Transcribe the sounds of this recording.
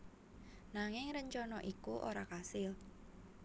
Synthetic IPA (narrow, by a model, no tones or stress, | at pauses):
naŋɪŋɾəɲt͡ʃɔnɔʔikuʔo̰ɾakasɪl